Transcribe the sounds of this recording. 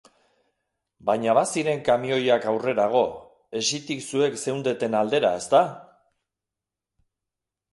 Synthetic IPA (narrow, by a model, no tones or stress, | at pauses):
bajɲaβasiɾe̞ŋkamio̞jakawre̞ɾaɣ̞o̞ | e̞ʃit̪iksue̞kse̞wnd̪e̞t̪e̞nald̪e̞ɾae̞st̪a